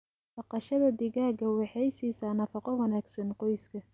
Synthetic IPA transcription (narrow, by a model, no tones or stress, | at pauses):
bɑqɑʃɐðɐd̪ɪɣaːɡɐwɑħɑjsiːsɐnɐfɑqɔwɐnaːɡsɐnqɔjskʰɐ